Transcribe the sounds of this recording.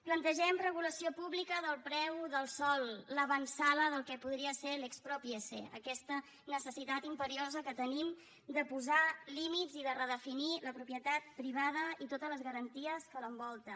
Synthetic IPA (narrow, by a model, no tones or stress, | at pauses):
plənt̪əʒɛmrəɣuləsiopuβlikəðəlˠpɾɛwðəlˠsɔlˠːəβənsaləðəlˠkɛpuðɾiəseɾlekspɾɔpiesḛə̰kɛst̪ə | nəsəsit̪at̪impəɾiozəkət̪ənim | d̪əpuzalimidziðərəðəfiniləpɾupjət̪at̪̚pɾiβ̞að̞əit̪ot̪ələzɣəɾənt̪iəskələmbɔlˠt̪ə